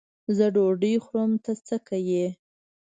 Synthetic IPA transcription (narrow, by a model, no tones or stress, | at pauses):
zəɖoɖəjxɾəmt̪at͡səkaje